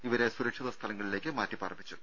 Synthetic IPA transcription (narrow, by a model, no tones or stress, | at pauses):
iʋɐɾe̞suɾɐkʂiðɐst̪ʰɐlɐŋːɐɭile̞ːkʲːɨmaːtːipɐːrɐbit͡ɕːu